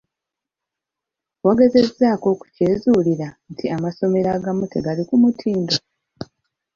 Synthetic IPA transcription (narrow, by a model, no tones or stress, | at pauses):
waɡe̞ze̞zːaːko̞ku̥ceːzuːliɾantʰiamaso̞me̞ɾaːɡamute̞ɡalikumutʰiːndo